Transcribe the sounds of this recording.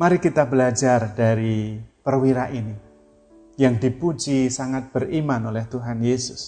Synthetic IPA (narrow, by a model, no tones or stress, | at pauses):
maɾikit̪abəlad͡ʒardaɾipərwiɾaʔini | jaŋdipud͡ʒisaŋat̪̚b̥ərimanolɛht̪uɦanjesʊs